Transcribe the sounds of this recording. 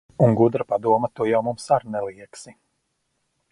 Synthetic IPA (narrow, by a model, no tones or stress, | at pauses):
uŋɡud̪ɾapad̪uɔmɐt̪uɔjawmumsaɾnɛlˠiɛksi